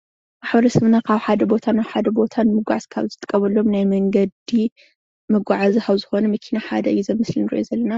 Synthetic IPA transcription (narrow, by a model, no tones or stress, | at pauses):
maħbɐɾɐsɐβnakʰaβħad̪ɐbo̞t̪ʰanawħad̪ɐbo̞t̪ʰanmɨɡʷaʕzkʰa̰βzɨt̪ʼɨ̥kʼːɐβɐlːomnajmɐŋɡɐd̪i | mɐɡʷaʕazihaβzɨxo̞nɐmɐkʰinaħad̪ɐʔɨjːuzɐmːɨslinɨɾḭʔozɐlːɐna